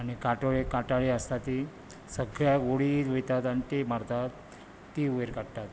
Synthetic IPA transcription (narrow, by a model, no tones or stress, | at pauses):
añikaʈoɭekaʈaɭeəst̪at̪i | səɡɭjaʋoɽitʋejt̪at̪añit̪emaɾt̪at̪ː | iːuʋeɾkaɽt̪at̪